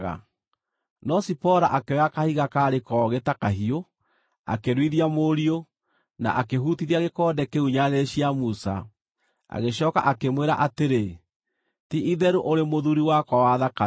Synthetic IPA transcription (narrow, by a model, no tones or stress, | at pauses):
ɣa̰ | nɔsipɔɾaʔakeakahiɣakaɾekɔɣetakaɦio | a̰keɾwiðiamoɾio | na̰ʔakeɦutiðiaɣekɔːdɛkeuɲaðeɕiamusa̰ | a̰ɣeɕɔːka̰ʔakemweɾa̰ʔateɾe | tiʔiðɛɾuʔoɾemoðuɾiwakwawaðaka